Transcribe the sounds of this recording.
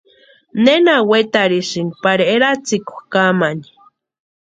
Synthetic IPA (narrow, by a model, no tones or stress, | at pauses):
nenawet̪aɾiʃiŋɡpaɾieɾat͡siku̥kamani̥